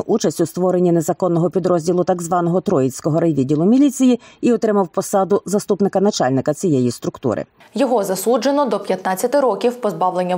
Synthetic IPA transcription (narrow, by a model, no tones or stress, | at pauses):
ʔut͡ʃɐsʲtʲʊst̪ʋɔɾenʲːine̞zɐkɔnːɔɦɔpʲid̪ɾɔzʲdʲilˠʊt̪ɐɡzʋɑnɔɦɔt̪ɾɔjit͡sʲkɔɦɔɾɐjʋʲidʲilˠʊmʲilʲit͡sʲijiiɔt̪ɾɪmɐwpɔsɑd̪ʊzɐst̪upnɪkɐnɐt͡ʃɑ̰lʲnɪkɐt͡sʲijejist̪ɾʊkt̪ṵɾɪ̰ | jɔɦɔzɐsud͡ʒenɔd̪ɔpʲjɐt̪nat͡sʲːɐt̪ɪɾɔkʲiwpɔzbɑʋlˠenʲːɐ